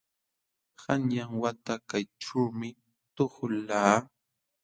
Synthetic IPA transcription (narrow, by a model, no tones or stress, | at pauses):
hanjaŋwat̪akajʈ͡ʂuːmɪ | t̪oχʊlaː